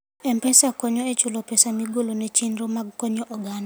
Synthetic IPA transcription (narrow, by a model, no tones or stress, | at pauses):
ɛmpɛsakɔɲɔet͡ʃʊlɔpɛsamiɡolonɛt͡ʃinɾomaɡkɔɲɔʔɔɡana